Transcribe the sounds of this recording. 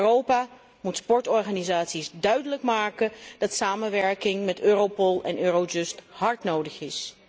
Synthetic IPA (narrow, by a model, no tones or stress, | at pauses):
rowpa | mutspɔɹtɔɹχaːnizaːtsisdœɥdələkmaːkəd̥ɑtsaːmənʋɛɹkɪŋmɛtøːrowpɔlˠɛ̰nøːrod͡ʒɵsthɑɹtnowdəχɪs